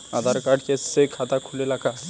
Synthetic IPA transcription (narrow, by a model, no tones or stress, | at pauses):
ad̪ʱaɾkaɾɖkesekʰat̪akʰulelaɡa